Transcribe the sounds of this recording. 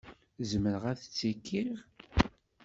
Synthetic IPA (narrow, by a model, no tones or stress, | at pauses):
zməɾəʁæθət͡sːikːiʁ